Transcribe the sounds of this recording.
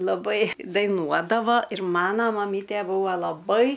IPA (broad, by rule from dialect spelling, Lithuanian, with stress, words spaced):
lˠɐˈbɐɪ dɐɪˈnuɔdɐʋɐ ɪr ˈmɑːnɐ mɐˈmʲiːtʲeː ˈbuːʋɐ lˠɐˈbɐɪ